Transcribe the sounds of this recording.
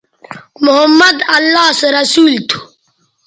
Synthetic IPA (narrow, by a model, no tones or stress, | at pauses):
mʊɦəmːəd̪ɐlːaːseɾɐsuːlt̪ʰu̥